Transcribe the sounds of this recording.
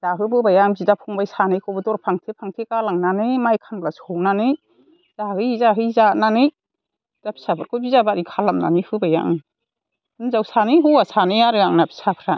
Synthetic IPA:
z̥aɦɯbɯbajaŋzidapʰuŋbajsanɯjkʰɔbɯdɔɾpʰaŋtʰepʰaŋtʰekalaŋnanɯjmajkʰanblasɔwnanɯj | zahɯjzaɦɯjzananɯj | d̥apʰi̥sabʰɯɾkʰɔbizabaɾikʰalamna̰nihɯbaja̰ŋ | ɯnzawsanɯjɦuwasanɯjaɾɯjaŋnapʰi̥sapʰɾa

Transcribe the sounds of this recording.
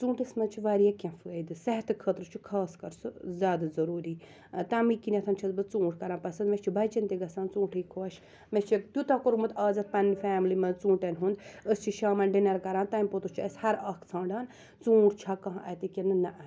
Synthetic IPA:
t͡sũːɳʈɐsmɐt͡ʃʰiʋaːɾijakʲɐ̃fɨəd̪ɨsɐɦt̪ʰɨkʰəːt̪ɾɨt͡ʃʰukʰaːskɐɾsɨzʲjaːd̪azɐɾuːɾiː | t̪ɐmikinɐt̪ʰɐnt͡ʃʰɐzbɨt͡sũːʈʰkɐɾaːnpɐsɐnd̪met͡ʃʰibɐjt͡ʃɐnt̪iɡɐsaːnt͡sũːʈʰɨjkʰoɐʃ | met͡ʃʰikt̪ʲjut̪ɐkoɾmut̪ʰaːzɐt̪̚pɐnfaːmlimɐnt͡sũːʈɐnʲɦund̪əst͡ʃʰiʃaːmɐnɖinɐɾkɐɾãːnt̪ɐːmʲpot̪ut͡ʃʰiɐshɐɾaːkʰt͡sʰãːɳɖaːn | t͡sũːʈt͡ʃʰaːkɐɦãʔɐt̪ikʲenɨnɐʔɐ

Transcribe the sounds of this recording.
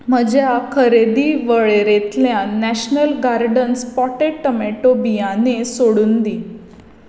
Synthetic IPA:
m̤əd͡ʑjakʰəɾed̪iːʋəɭeɾet̪ljãnæɕnəlɡaɾɖənspɔʈeʈːəmeʈobijãnesoɽuːnd̪iː

